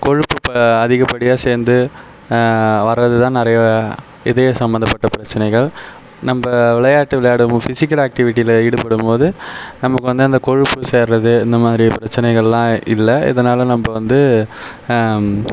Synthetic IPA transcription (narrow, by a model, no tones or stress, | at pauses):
kɔɻɯpːɯpɐðɪɣɐpːɐɽɪjaːseːɾnd̪ɯ | ʋɐɾːɐðɯt̪ãːnɪɾɐjɐ | ɪðɐjɐsɐmbɐnd̪ɐpːɐʈːɐpɪɾɐt͡ʃːɐnɐɪɣɐɭ | nɐmbɐʋɪɭɐjaːʈːɯʋɪɭɐjaːɽɯmːfɪsɪkːɐlaːk̚ʈɪʋɪʈːijɪlɪɽɯpɐɽɯmpoːðɯnɐmːɐkːɯʋɐnd̪ɯɐnd̪ɐkɔɻɯpːɯseːɾɾɐðɯɪnd̪ɐmaːðɪɾipɪɾɐt͡ʃːɐnɐɪɣɐɭlãːɪlːɐɪ̰ðɐnaːlɐnɐmbɐʋɐnd̪ɯ